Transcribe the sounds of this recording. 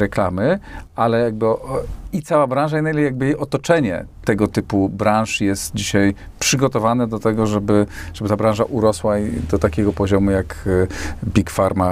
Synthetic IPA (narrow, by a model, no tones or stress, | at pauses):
ɾɛklamɘalɛjaɡ̚bɨit̪sawabɾãw̃ʐainaljaɡ̚bɘejʔɔt̪ɔt͡ʂɛɲɛ̰t̪ɛɡɔt̪ɘpubɾãw̃ʂjɛst̪d͡ʑiɕaj | pʂɘɡɔt̪ɔvanɛd̪ɔt̪ɛɡɔʐɛbɘʐ̥ɛbɘt̪abɾãwʐaʔuɾɔswad̪ɔt̪akʲeɡɔpɔʑɔmujak | bʲikfaɾma